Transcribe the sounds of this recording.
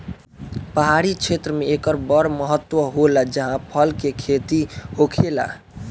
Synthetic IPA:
pəɦaɾit͡ʃʰet̪ɾəmeekəɾbəɾməɦət̪ːwəɦolad͡ʒəɦãpʰəlkekʰet̪ihokʰela̰

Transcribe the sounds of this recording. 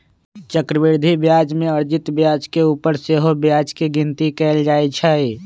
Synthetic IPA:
t͡ʃəkɾəʋɪɾd̪ʱibjaːd͡ʒmẽəɾd͡ʒɪt̪bjaːd͡ʒkeuːpəɾseɦobjaːd͡ʒkiɡɪnt̪ikɛːld͡ʒaːit͡ʃʰaeː

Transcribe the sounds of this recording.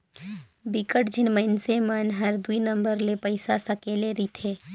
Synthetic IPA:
bikəʈd͡ʒɪnməɪnsemənɦəɾd̪uinə̃mbəɾlepəɪsasəkeːleɾit̪ʰeː

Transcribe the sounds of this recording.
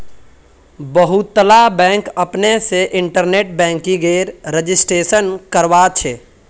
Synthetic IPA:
bəɦut̪ːəlabɛ̃ːŋkəpneseʔɪ̃ɳʈəɾneːʈ̚bɛ̃ːŋkiɡeːɾɾəd͡ʒɪsʈɾeːʃənkəɾwat͡ʃʰeː

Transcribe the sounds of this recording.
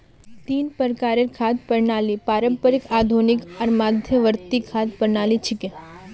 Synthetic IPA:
t̪iːnpəɾkaɾeɾkʰat̪̚pəɾɳaːlipaːɾə̃mpəɾikaːd̪ʱunikɐɾmad̪ʱjəʋəɾt̪ikʰaːt̪pəɾɳaːlit͡ʃʰike

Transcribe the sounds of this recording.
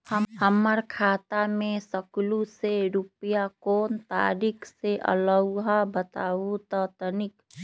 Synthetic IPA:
həhəməɾkʰaːt̪amẽsəkluseɾupijakoːnt̪a̰ːɾikʰseʔə̰ləwɦabət̪aːut̪ət̪ənɪk

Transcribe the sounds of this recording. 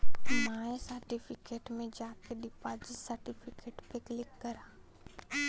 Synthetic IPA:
maːesəɾʈipʰɪkeːʈmẽd͡ʒaːkeɖɪpaːd͡ʒɪsəɾʈipʰɪkeːʈpeklɪkːɐɾaː

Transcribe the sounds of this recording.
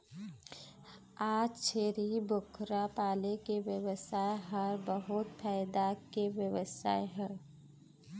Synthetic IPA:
aːd͡ʒt͡ʃʰeːɾibʊkʰɾapaːlekeʋjəwəsaːeɦəɾbəɦʊt̪pʰɛːɪd̪akeʋjəʋəsa̰ːeɦəɾ

